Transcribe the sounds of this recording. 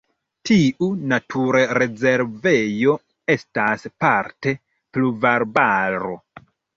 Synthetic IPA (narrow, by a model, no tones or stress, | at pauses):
tiʔunatʰuɾɾe̞ze̞ɾve̞jo̞ | e̞staspaɾte̞ | pluvaɾbaɾo̞̰